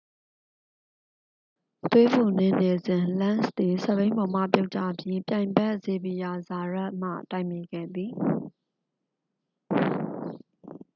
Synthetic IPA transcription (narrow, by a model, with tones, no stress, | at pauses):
t̪we˦bu˨nɪ̃˦˨ne˨zɪ̃˨lã˦nst̪i˨sɛ˦˨bẽ˦ɪ̃mbɔ˨m̥ä̰˦˨pjo˦ʊʔt͡ɕä̰˦˨bji˦pjã˨ɪ̃mbɛ˦ʔz̥e˨bi˨ja˨za˨ɹa˦ʔm̥ä̰˦˨ta˦˨ɪmje˨ɡɛ̰˦˨d̪i˨